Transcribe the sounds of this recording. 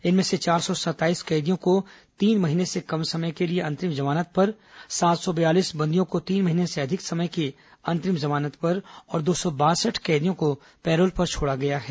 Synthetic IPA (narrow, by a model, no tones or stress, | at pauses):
ɪnmẽset͡ʃaːɾsɔsɐt̪aːiːskɛːd̪ijõko | t̪iːnmɐɦiːnesekɐmsɐməjkelieɐ̃nt̪ɾɪmzɐmaːnət̪̚pɐɾ | saːt̪sɔbɐjaːliːsbɐ̃nd̪ijõkot̪iːnmɐɦiːneseɐd̪ʱɪksɐməjki | ɐ̃nt̪ɾɪmzɐmaːnət̪pɐɾɔːɾd̪oːsɔbaːsəʈʰkɛːd̪ijõko | pɛːɾoːlpɐɾt͡ʃʰoːɽaɡɐjaɦɛː